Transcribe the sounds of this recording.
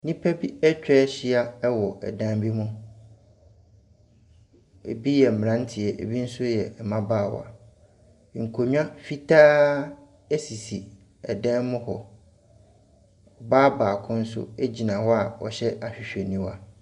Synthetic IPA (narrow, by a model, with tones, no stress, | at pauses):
nĩ˦pʰɛ˦bi˦ɛ˦t͡ɕᶣɛ˦ɕɪ˦a˦ɛ˦wɔ˨ʔɛ̰˨dã˦m˦bi˦mʊ̃˦ | ḛ˨bi˦jɛ˨m̩˨ã˦n˦tʰɪ˨ɛ˨ʔḛ˨bi˦n̩˦sʊ˦jɛ˨mã˦baː˦˨w̰a̰˨˦ | ŋ̩˨kʰo˨ɲᶣ˦ã˦fi˦tʰaː˦ | ɛ˦si˨si˨ | ɛ̰˨dɛ̃˦nmʊ̃˦hɔ˨ | ɔ˨baː˦baː˨kʰʊ̃˦n̩˦sʊ̰˦e˦d͡ʑi˨nã˨hɔ˦a˨ɔ̰˨ɕɛ˦a˨ɕᶣɪ˨ɕᶣɛ˨nĩ˦wa˨